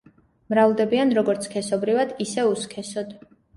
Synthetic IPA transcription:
mɾavlˠd̪ɛbianɾɔɡɔɾt̪sʰkʰɛsɔbɾivad̪isɛuskʰɛsɔd̪

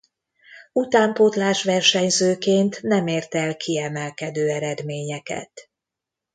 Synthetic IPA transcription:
ut̪aːmpot̪laːrʃʋɛrʃɛɲzøːkeːnt̪nɛmeːrt̪ɛlkʰiɛmɛlkɛd̪øːɛɾɛd̪meːɲɛkɛ̰t̪

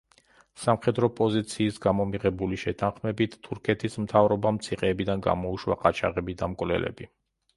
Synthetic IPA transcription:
samχɛd̪ɾɔpʼɔzit̪sʰiːsɡamɔmiʁɛbuliʃɛt̪ʰanχmɛbit̪ʰːuɾkʰɛt̪ʰismt̪ʰavɾɔbamt̪sʰiqʼɛːbid̪anɡa̰mɔuʃwa̰qʼat͡ʃʰa̰ʁɛbid̪amkʼvlɛ̰lɛ̰bi

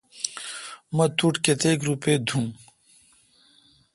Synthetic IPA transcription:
mɐt̪uʈket̪eːkɾuped̪ʱũː

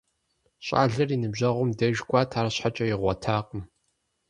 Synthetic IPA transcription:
ɕʼa̰ːɮɐriːnɨbʑɐʁʷʊmdɐʒɡʷaːtʰaːɾɐɕħat͡ʃʼɐjɪʁʷɔtʰaːqʼəm

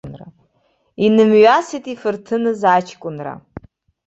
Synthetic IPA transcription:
nra̰ | inɨmɥasitʼifɨrtʰɨnɨzat͡ʃʰkʷʼʊnra̰

